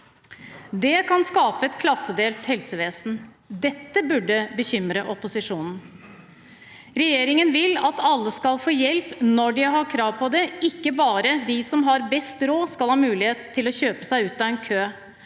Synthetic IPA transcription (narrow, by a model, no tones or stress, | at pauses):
d̪ɛkʰɑnskɑːpəɛt̪kʰlɑsːəd̪eːlt̪hɛlsəʋeːsn̩ | d̪ɛt̪ːəbʉɖːəbəçʏmɾəʔɔpʊsɪʂuːnn̩ | ɾɛjeːɾɪŋənʋɪlɑt̪ɑlːəskɑlfoːjɛlpnɔɖɪɦɑːkʰɾɑːʋpʰɔd̪ɛɪkːəbɑːɾəd̪ɪsɔmɦɑɾbɛst̪ɾoːskɑlhɑːmʉːlɪheːt̪ʰːɪlɔçøːpə̥sæɪʉːt̪ɑɛːnkʰøː